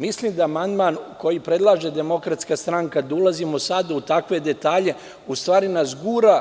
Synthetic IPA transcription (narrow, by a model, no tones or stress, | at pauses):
mislimd̪aːmand̪maːnko̞jipɾe̞d̪lˠaːʒe̞d̪e̞mo̞kɾat̪skast̪ɾaŋkad̪ulazimosad̪aut̪akʋe̞d̪e̞t̪aːʎe̞ | ust̪ʋaːɾinasɡuːɾa